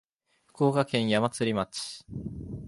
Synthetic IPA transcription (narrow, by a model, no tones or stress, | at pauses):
ɸɯ̥ko̞ːɡakẽ̞ɰ̃jamat͡sɨɾʲimat͡ɕi̥